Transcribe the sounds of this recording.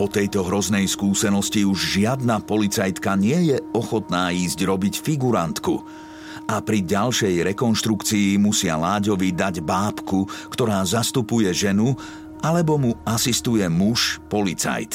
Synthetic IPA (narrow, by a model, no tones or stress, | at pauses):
ɔt̪ɛjt̪ɔɦɾɔznɛjskuːsɛnɔsciuʒʒɪad̪napɔlit͡sajt̪kaɲɪɛjɛɔxɔt̪naːiːzɟɾɔbicfiɡuɾant̪ku | ʔapɾiɟalʃɛjɾɛkɔnʃt̪ɾukt͡siːmusɪa̰laːɟɔʋid̪aɟbaːpkukt̪ɔɾaːzast̪upujɛʒɛnu | ʔalɛbɔmuasist̪ujɛmuʃpɔlit͡sa̰jt̪